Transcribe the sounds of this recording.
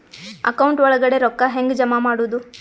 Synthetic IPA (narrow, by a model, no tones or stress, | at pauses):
ɐ̰kɐwuɳʈʋɔɭɐɡɐɽeɾɔkːɐɦeŋɡd͡ʒɐmamaːɽuːd̪u